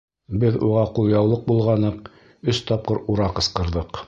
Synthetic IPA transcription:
bɘðuʁɑqulˠjɑwlˠɤq̚bulˠʁɑnɤq | ɵst̪ɑp̚qɤɾuɾɑqɤ̆sqɤ̆ɾðɤq

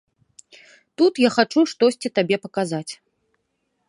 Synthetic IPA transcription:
t̪ut̪jaxat͡ʂuʂt̪ɔsʲt͡sʲit̪abʲɛpɐkazat͡sʲ

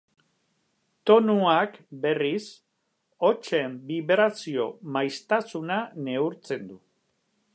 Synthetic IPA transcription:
t̪o̞nuakbe̞ris | o̞t͡ʃembiβɾasio̞majst̪asunane̞uɾt͡se̞nd̪u

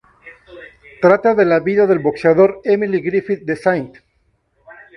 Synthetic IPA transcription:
t̪ɾat̪aðelaβiðaðe̞lbo̞kseaðo̞ɾemiliɣɾifit̪̚d̪esajnt̪

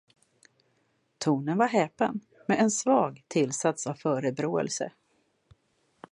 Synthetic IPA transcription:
t̪ʰuːnənvaɾɦɛːpən | mɛɛnsvɑːɡt̪ʰɪlsat̪savfœːɾəbɾoːɛ̰lsə̰

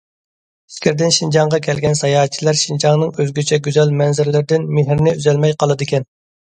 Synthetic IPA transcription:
i̥skʲʰɪɾd̪ɪnʃind͡ʒɑŋʁɑkʲʰɛlɡʲɛnsɑjɑːɦt̪̚t͡ʃʰilˠæɾʃind͡ʒɑŋnɨŋøzɡʲyt͡ʃʰɛɡʲyzɛlmɛnzɪɾlɪɾɪd̪ɪnmɪɦɾnɪyzɛlmɛjqɑlˠɨd̪ɪkʲɛn

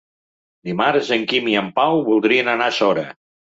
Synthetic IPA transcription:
d̪imaɾzəŋkimiəmpawβulˠd̪ɾiənənasɔɾə

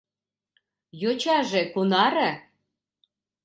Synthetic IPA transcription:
jot͡ɕɑʒekunɑɾə̆

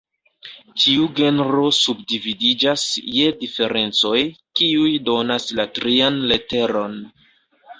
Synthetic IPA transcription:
tiuɡe̞nɾo̞subdividid͡ʒasje̞dife̞ɾe̞nt͡so̞jkiujdo̞naslatɾianle̞te̞ɾo̞n

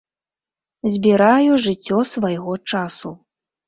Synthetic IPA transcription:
zʲbʲiɾajuʐɨt͡sʲːɔsvajɣɔt͡ʂasu

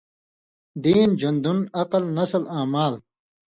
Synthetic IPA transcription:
d̪iːnd͡ʑund̪unɐqɐlnɐslaːmaːl

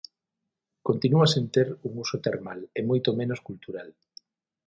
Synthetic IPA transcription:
kont̪inuasent̪eɾuŋusot̪eɾmalemojt̪omẽnoskult̪uɾal

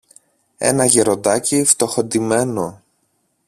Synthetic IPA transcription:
e̞̰nɐʝeɾo̞nd̪ɐcift̪o̞xo̞d̪ime̞no

